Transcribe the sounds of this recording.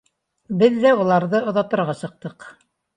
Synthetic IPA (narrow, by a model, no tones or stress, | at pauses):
bɘðːæulˠɑɾðɤŏðɑt̪ɤ̆ɾʁɑsɤ̆q̚t̪ɤq